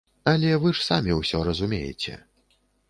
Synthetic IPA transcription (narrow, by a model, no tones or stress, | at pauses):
ɐlʲɛvɨʂsamʲiwsʲɔɾɐzumʲejɛ̰t͡sʲɛ̰